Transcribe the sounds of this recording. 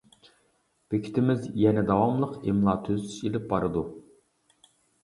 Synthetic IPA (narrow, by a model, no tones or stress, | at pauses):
b̥ekʲʰi̥t̪ʰɪmɪzjɛnɛd̪ɑwɑmlˠəqemlˠɑːt̪ʰøzt̪ʰy̥ʃelɪp̚bɑɾɨd̪u